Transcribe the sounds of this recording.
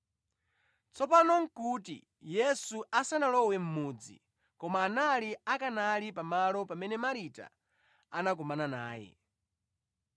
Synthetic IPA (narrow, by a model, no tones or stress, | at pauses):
t͡sɔpanɔŋ̩kutḭ | jɛsuasanalɔwɛm̩muːd͡zḭ | kɔmaːnaliakanalipamalɔpamɛnɛmaɾita̰ | anakɔmanana̰ːjɛ̰